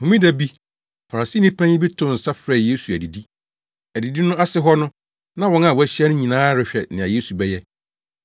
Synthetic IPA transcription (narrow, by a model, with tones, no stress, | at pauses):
hʊ̃˨mĩ˦dæ˨bi˦ | fa˨ɾa˨si˦nĩ˦pʰæ̃˦ɲɪ˦bi˦tʰʊ̃˦˨n̩˨sa˦fɾɛ˨je˦su˨æ˨di˨di˦ | æ˨di˨di˦nʊ̃˦ʔa˦sɪ˦ɦɔ˦nʊ̃˦ | nã˦wɔ̃˦na˨wɔ˨˦æ˦ɕi˦ɛ˦nʊ̃˦ɲĩ˨nãː˦ɾɪ˨ɕᶣɛ˨nɪ̃˨a˨je˦su˨bɛ˦jɛ˦